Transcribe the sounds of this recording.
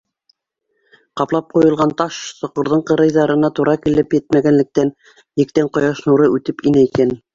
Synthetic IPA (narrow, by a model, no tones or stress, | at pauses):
qɑplˠɑp̚qujɤ̆lˠʁɑnt̪ɑʃsŏqŏɾðɤɴqɤ̆ɾɤ̆jðɑɾɤ̆nɑt̪uɾʔɑkilɘpjɘt̪̚mæɡænlɘ̆k̚t̪æn | jɘ̆k̚t̪æɴqŏjɑʃnuɾɤʔʉt̪ɘpinæikæn